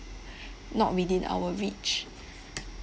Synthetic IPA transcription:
nɔ̰t̚widĩna̰wəɹit͡ʃ

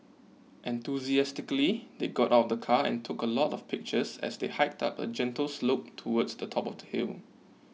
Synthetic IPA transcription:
ʔɛ̃nt̪uziɛstɪkəlid̪eɡɔtaʊtdəkʰaɛ̰̃ntʰʊkəlɔtɔfpʰɪk̚t͡ʃəsɛ̰sdehaɪk̚tʰa̰pə̰d͡ʒɛ̃ntəlslop̚tʰuwɔdsdətʰɔpɔfdəhḭl

